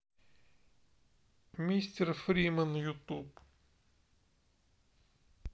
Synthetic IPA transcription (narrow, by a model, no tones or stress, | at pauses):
mʲisʲtʲerfɾʲimənjut̪up